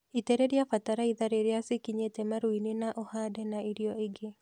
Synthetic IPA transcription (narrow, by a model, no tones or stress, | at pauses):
iteɾeɾjafataɾaiðaɾeɾjasɪkiɲetemaɾwinɪnaʔɔhadɛnaiɾjɔɪɡɪ